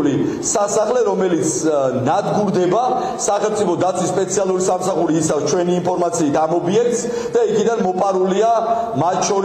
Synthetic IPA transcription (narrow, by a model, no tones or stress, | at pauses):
li | sasaχlɛɾɔmɛlit̪sʰnad̪ɡuɾd̪ɛba | saχɛlmt̪sʼipʰɔd̪at̪sʰwisːpʼɛt̪sʰialˠuɾisamsaχuɾiːsavst͡ʃʰwɛniːnpʰɔɾmat̪sʰiːt̪amɔbiɛk̚t̪s | d̪̥aikʰid̪anmɔpʼaɾulia | mat̪̚ʰt͡ʃʰɔɾ